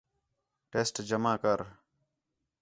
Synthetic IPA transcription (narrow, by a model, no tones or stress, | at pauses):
ʈeːsʈd͡ʒəmaːkəɾ